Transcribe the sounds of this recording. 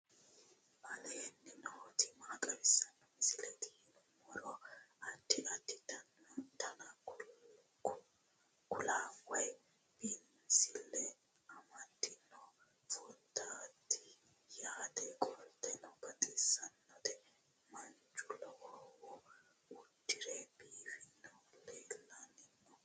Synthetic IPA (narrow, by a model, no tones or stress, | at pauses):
ɐlenːɪnɔɔt̪ɪmaːkʼɐbɪsːɐnːɔmɪsɪlɛt̪ɪhɪnʊmɔɾɔɐt̪ːɪʔɐt̪ːɪt̪ɐnt̪ʰɐnɐk | kʊlaːɐj | b̥ɪnmɪsɪlːɛ | ɐmɐt̪ːɪnːɔ | fʼɔt̪ːat̪ːɪ | jaːt̪ɛkʼɔlt̪ːɛnɔbɐt̪ʼɪsːɐnːɔt̪ɛ | mɐnt͡ʃʼːʊlɔʔɔwɔ | ʊd̪ːɪɾeb̥iːfɪnːɔleːlːɐnɪnːɔ